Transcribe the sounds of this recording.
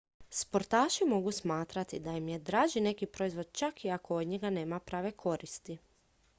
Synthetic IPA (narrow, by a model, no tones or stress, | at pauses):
spo̞ɾt̪aːʃimo̞ɡusmaːt̪ɾat̪id̪ajimjed̪ɾaːʒine̞kipɾo̞izʋo̞d̪̥̚t͡ʃakiakood̪ɲeɡane̞ːmapɾaːʋe̞kʰo̞ɾist̪i